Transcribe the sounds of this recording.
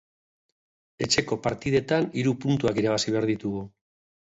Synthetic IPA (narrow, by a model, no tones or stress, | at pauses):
e̞t͡ʃe̞ko̞paɾt̪iðe̞t̪aniɾupunt̪uakiɾaβ̞asiβe̞aɾðit̪uɣu